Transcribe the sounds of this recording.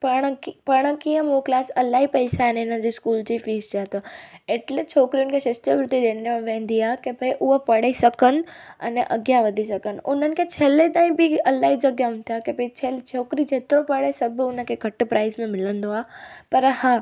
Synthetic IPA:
pɐɽ̃pɐɽ̃əkijə̃mũklaːsɐlaɦipɐɪsaɛnɪnəd͡ʑiskuːld͡ʑifiːst͡ɕaːt̪oeʈlet͡ɕʰoːkɾijʊnɪ̆kʰeʃɐʃt̪əʋɾʊt̪id̪eːnmẽʋẽːnd̪iaːɦkebʱɐiʔʊɦopɐɽ̤isɐkənɪ̆ɐ̰neʔɐ̰ɡjaʋɐd̪ʱisɐkənɪ̆ʔʊn̤ənɪ̆kʰet͡ɕʰeːlet̪ãːĩbɪɐlaɦid͡ʑɐɡjaɦʊ̃nt̪ʰijakebit͡ɕʰelt͡ɕʰoːkɾid͡ʑeːt̪ɾopɐɽesɐbʱʊnə̆kʰeɡʱɐʈ̆pɾaːɪzmẽmɪlə̃nd̪oaːpɐɾhaː

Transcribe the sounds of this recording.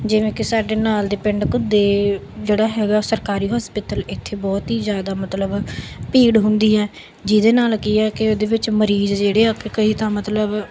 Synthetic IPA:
d͡ʒɪʋẽːkɪsaːɖeːnaːld̪eːpɪɳɖkʊd̪eː | d͡ʒeːɽaːɦɛːɡaːsəɾkaːɾiːɦɔːspɪt̪əlɪt̪ʰːeːbɔːt̪ɦiːzjaːd̪aːmət̪ləbpiːɽɦʊnd̪iːɛː | d͡ʒɪd̪eːnaːlkiɛːkɪoːd̪eːʋɪt͡ʃməɾiːzd͡ʒeːɽeːaːkekəiːt̪ãːmət̪ləb

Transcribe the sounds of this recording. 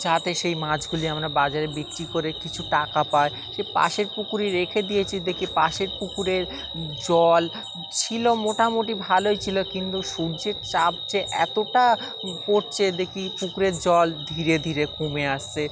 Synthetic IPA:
d͡ʑat̪eʃejmãd͡ʑʱɡuliamɾabad͡ʑaɾebikʈikoɾekit͡ɕʰuʈakapae | ʃepa̰ʃeɾpukuɾiɾekʰed̪ijet͡ɕʰid̪ekʰipaʃeɾpukuɾeɾ | d͡ʑɔl | t͡ɕʰilomoʈamoʈibʱaloet͡ɕʰilokint̪uʃuɾd͡ʑeɾt͡ɕab̚d͡ʑeʔɛ̰t̪oʈa | poɾt͡ɕʰed̪ekʰipukuɾeɾd͡ʑɔld̪ʱiɾed̪ʱiɾekumeaʃt͡ɕʰe

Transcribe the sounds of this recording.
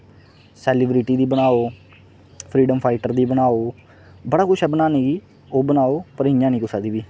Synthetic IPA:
sɛːlɪbɾɪʈiːd̪iːbənaːoː | pʰɾiːɖəmpʰaːɪʈəɾd̪iːbənaːoː | bəɽaːkʊʃʰɛːbənaːniːɡiː | oːbənaːoːpəɾɪ̃jãːnĩːkʊsaːd̪iːʋiː

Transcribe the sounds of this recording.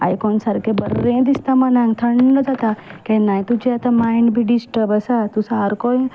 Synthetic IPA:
a̰jkɔnsaɾkebəɾẽd̪ist̪amãnãŋɡt̪ʰəɳːəd͡ʒat̪akenaj̃t̪ud͡ʒeat̪amaiɳɖbʱiɖisʈəbəsat̪usaɾkoj

